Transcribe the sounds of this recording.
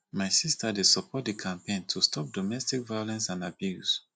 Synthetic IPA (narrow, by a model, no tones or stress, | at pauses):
maɪsistʰadidsɔpʰɔt̚dikʰãmpẽntʰustʰɔp̚dɔmɛstikvajolɛ̃nsãnabjus